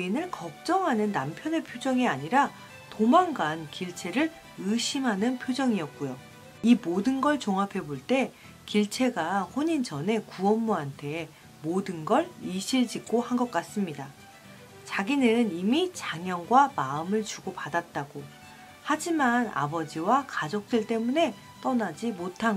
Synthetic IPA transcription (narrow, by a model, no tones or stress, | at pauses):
inɯɭkʌk̚t͡ɕ͈ʌŋɦanɯnːampʰjʌne̞pʰjod͡ʑʌŋiaɲiɾa | tomaŋɡankiɭt͡ɕʰe̞ɾɯɭ | ɯɕʰimɦanɯnpʰjod͡ʑʌŋiʌk̚k͈ojo | imodɯnɡʌɭt͡ɕoŋapʰe̞boɭt͈e̞ | kiɭt͡ɕʰe̞ɡaɸoɲint͡ɕʌne̞kuʌmːuantʰe̞ | modɯnɡʌɭiɕʰiɭd͡ʑik͈ohanɡʌk͈as͈ɯmɲida | t͡ɕaɡinɯnimit͡ɕaŋjʌŋɡwamaɯmɯɭt͡ɕuɡopadat̚t͈aɡo | had͡ʑimana̰bʌd͡ʑiwakad͡ʑok̚t͈ɯɭt͈e̞mune̞ | t͈ʌnad͡ʑimotʰa